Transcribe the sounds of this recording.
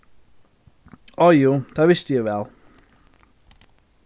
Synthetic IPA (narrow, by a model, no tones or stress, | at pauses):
ʔɔjuːd̪̥æːʋɪst̪əjæʋɛl